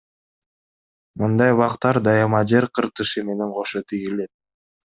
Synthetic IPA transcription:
mɯnd̪ɑjβɑqt̪ɑɾd̪ɑjɑmɑd͡ʒe̞ɾqʰɯɾt̪ɯʃɯme̞ne̞ɴqʰo̞ʃot̪ʰiɣile̞t̪̚

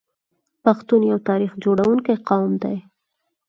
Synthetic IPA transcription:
paxt̪unjawt̪ɑɾixd͡ʒoɽawuŋkajqɑwmd̪aj

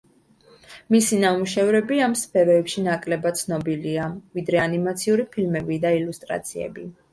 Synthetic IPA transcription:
misinamuʃɛvɾɛbiamspʰɛɾɔɛpʃinakʼlɛbat̪t̪sʰnɔbiliavid̪ɾɛanimat̪sʰiuɾipʰilmɛbid̪ailust̪ʼɾa̰t̪sʰiɛ̰bi

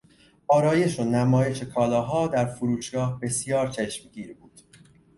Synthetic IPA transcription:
ʔɒːɾɒːje̞ʃo̞næmɒːje̞ʃe̞kʰɒːlɒːɦɒːd̪æɾfuɾuːʃɡ̥ɒːhbe̞sjɒːɾt͡ʃʰeʃmɟiːɾbuːd̪̥

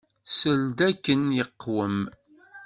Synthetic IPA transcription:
səld̪ækːənjəqːwəm

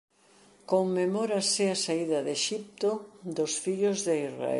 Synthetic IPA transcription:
koŋmemoɾɐsɪasaiðɐðeʃip̚t̪od̪osfiʎozðeisra̰ḛ

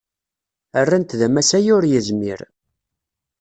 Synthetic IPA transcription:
ərːant̪ðæmæsæjʊɾjəzmḭɾ

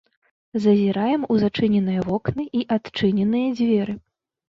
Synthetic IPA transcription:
zɐzʲiɾajɛmuzat͡ʂɨnʲɛnɨjɐvɔknɨʔiʔat̪t͡ʂɨnʲɛnɨjɐd͡zʲvʲɛɾɨ

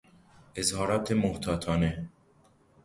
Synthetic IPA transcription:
ʔezhɒːɾɒːt̪ʰemoht̪ʰɒːt̪ʰɒːne

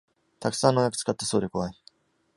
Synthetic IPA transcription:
t̪aksãnːojakɯ̥t͡sɨ̥kat̪ːaso̞ːd̪e̞ko̞βai

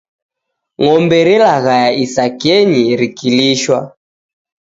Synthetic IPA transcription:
ŋɔmbɛɾɛlaɣajaisakɛɲiɾikiliʃwa̰

